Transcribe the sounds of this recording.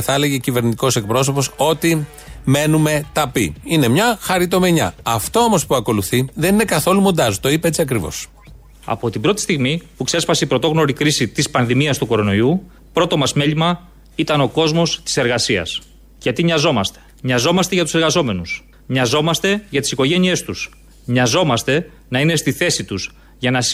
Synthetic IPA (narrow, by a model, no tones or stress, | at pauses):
θɐele̞ʝe̞cive̞ɾnit̪iko̞se̞k̚pɾo̞so̞po̞so̞t̪i | me̞nume̞t̪ɐpḭine̞mɲɐxɐɾit̪o̞me̞ɲɐ̰ɐft̪o̞o̞mo̞spuɐko̞luθiðe̞nine̞kɐθo̞lumond̪ɐst̪o̞ipɐe̞t͡siɐkɾivo̞̰s | ɐ̰po̞t̪ibɾo̞t̪i̥st̪iɣmipukse̞spɐseipɾot̪o̞ɣno̞ɾikɾisit̪ispɐnðimiɐst̪uko̞ɾo̞no̞iu | pɾo̞t̪o̞mɐzme̞ʎimɐ | it̪ɐno̞ko̞zmo̞st̪i̥se̞ɾɣɐsiɐ̰s | ʝɐt̪iɲɐzo̞mɐst̪e̞̥ɲɐzo̞mɐst̪e̞ʝɐt̪use̞ɾɣɐzo̞me̞nus | ɲɐzo̞mɐst̪e̞ʝɐt̪i̥siko̞ʝe̞nie̞st̪us | ɲɐzo̞mɐst̪e̞ | nɐine̞st̪iθe̞sit̪us | ʝɐnɐ